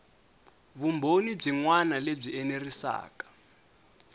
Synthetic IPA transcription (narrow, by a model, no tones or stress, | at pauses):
βumbʱonib͡ʐiŋwanaleb͡ʐiɛnerisa̰ːkḁ